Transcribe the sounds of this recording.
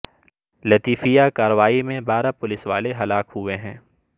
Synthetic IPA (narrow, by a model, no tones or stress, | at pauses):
lɐt̪iːfijakaːɾəʋaːimẽbaːɾapʊlɪsʋa̰ːleɦɐlaːkɦʊeɦɛ̃ː